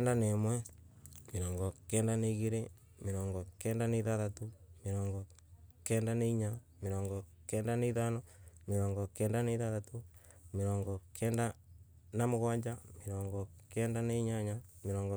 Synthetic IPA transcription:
ndanemwe | miɾɔːŋɡɔkeːndaneɣiɾe | miɾɔːŋɡɔkeːndaneðaðatumiɾɔːŋɡɔ | keːndaneiɲa | miɾoːŋɡɔ | keːndaneiðanomiɾɔːŋɡɔkeːndaneðaðatu | miɾɔːŋɡɔkʰeːnda | namoɣwaɲd͡ʒamiɾoːŋɡɔkeːndaneɲaɲamiɾɔːŋɡo

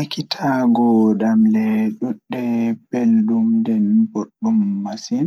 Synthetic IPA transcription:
akitʰaɡɔdamlɛɗuɗːɛbeldumdɛnboɗːumːasin

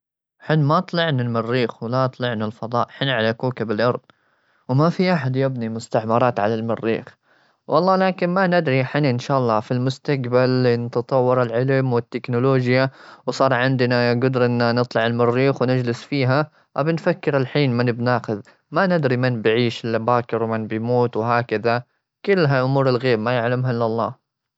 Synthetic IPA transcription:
ħɪnːmat̪ˤlɪʕnalmɪrːiːxwɪlaʔt̪ˤlɪʕnalfɑðˤɑ̰ːʔħɪnʕalakuːkɪbɪlʔɑɾˤðˤ | wmafiʔaħad̪jɪbnimʊst̪aʕmɑɾˤɑːt̪ʕalalmɪrːḭːx | wʔɑlˤːɑːlaːkɪnmanɪd̪ɾiħɪnaʔɪnʃaːʔɑlˤːɑːfilmʊst̪aqbalnɑt̪ɑt̪ˤɑwːɑɾˤɪlʕɪlmwɪt̪ːɪknʊloːd͡ʒjawsˤɑːɾˤʕɪnd̪naɡʊd̪ɾʔɪnːanɨt̪ˤlɑʕɪlmɪrːiːxwnɪd͡ʒlɪsfiːɦa | ʔabɪnfakːɪɾɪlħiːnmɪnbnaːxɪð | manɪd̪ɾimɪnbʕiːʃɪlːabaːkɪɾwmɪnbɪjmuːt̪wɦaːkɪða | kʊlːɦaʔʊmuːɾɪlɣeːbmajaʕlamɦaʔɪlːɑlˤːɑ̰ː

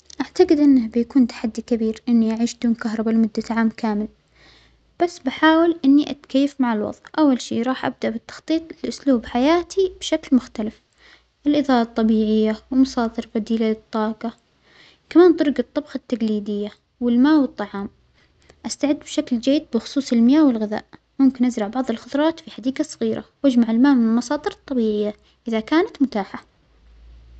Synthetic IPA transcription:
ʔaʕt̪aɡɪd̪ʔɪnːahbɪjakuːnt̪ḁħad̪ːikabiːɾʔɪnːiʔaʕiːʃd̪uːnkaɦɾˤɑbalmʊd̪ːaʕaːmkaːmɪl | b̥asːbaħaːwɪlʔɪnːiʔat̪kajːafmaʕalwɑ̰ðˤʔʔawːalʃḭːɾˤɑːħʔa̰b̚d̪aʔbɪt̪ːɑ̥xt̪ˤiːt̪ˤɪlʔʊsluːbħajaːt̪ʰib̥ʃaklmʊxt̪alɪf | ʔɪlʔɪðɑːlɑt̪ˤːɑbiːʕɪjːawɪlmɑsɑːt̪ɨɾbad̪iːlalɨt̪ˤːɑːqɑ | kamaːnt̪ˤʊɾˤɡɨt̪ˤːɑbxɑt̪ːaɡliːd̪ɪjːa | wɪlmaːwɨt̪ˤːɑʕɑːm | ʔast̪aʕɪd̪ːbʃakld͡ʒajːd̪̚bɪxʊ̥sˤuːsˤɪlmɪjaːwɪlɣɪða̰ːʔ | mʊmkɪnʔazɾˤɑʕbɑʕðˤɨlxʊt̪ˤɾˤɑːt̪fiħad̪iːɡasˤɑ̥ɣiːɾʔa̰wʔad͡ʒmaʕɪlmaːʔmɪnɪlmɑsˤɑːt̪ˤɨɾt̪ˤːɑbiːʕɪjːa | ʔɪðakaːnat̪mʊt̪aːħa

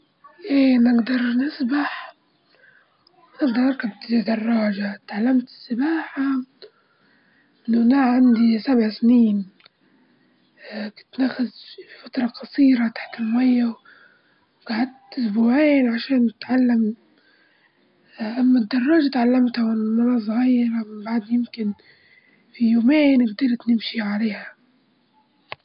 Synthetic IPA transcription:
ʔeːnɪɡd̪ɑɾˤnɪsbaħ | nɪɡd̪ɑɾˤʔɑɾˤkab̚t̪ɪid̪ɑrˤːɑːʒat̪ʕalːamt̪ɪ̥sːɪbaːħa | ʔʔɪnːʊʔnaʕʕand̪isabʕsɪniːn | kʊt̪naxɪzfifat̪ɾˤɑqɑsˤiːɾat̪ḁħt̪ɪlmajːaw | wɡ̥aʕad̪̚ | ʊsbuːʕeːnʕaʃeːnɪt̪ʕalːam | ʔamːad̪ːɑrˤːɑːʒat̪ʕalːamt̪hawɪnmɑnɑːsˤɣiːɾamɪmbaʕd̪jɪmkɪn | fijoːmeːnɪɡd̪ɑɾt̪nɪmʃiʕaleːha

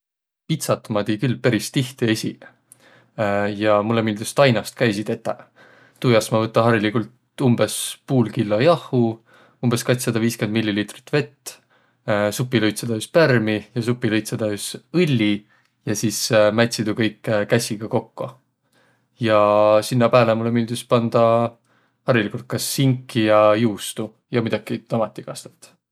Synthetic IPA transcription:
pit̪sɑt̪ːmɑd̪ikylːpæɾist̪iht̪iesʲi | jɑmulːemild̪̥ist̪ɑjnɑst̪̚kæjsid̪e̞t̪ːˑe | t̪ujɑsmɑvɤt̪ːˑɑɦɑɾilikult̪ | umbe̞spuːlkilːo̞jɑhu | umb̥e̞skɑt̪sɑd̪ɑviːske̞nd̪milʲːiliːt̪ri̥t̪ːve̞t̪ː | supːˑilɤjt̪sed̪̥ɑyspærmijɑs̬upːˑilɤjt̪sed̪̥ɑysɯlʲːi | jɑsismæt̪ʲsid̪ukɤjkːkæsʲiɡ̥ɑko̞kːo | jɑsinːɑpæːlemulemyːld̪̥ispɑnd̪̥ɑ | hɑɾilikult̪̚kɑsːiŋkːijɑjuːst̪u | jɑmid̪ɑkit̪ɑmɑt̪ːˑikɑst̪et̪ːˑ

